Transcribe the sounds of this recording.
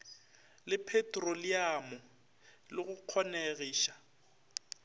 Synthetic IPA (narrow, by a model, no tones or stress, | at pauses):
lɪpʰɛtʼroliamɔ | lɪɣʊq͡χʰɔneɣiːʃḁ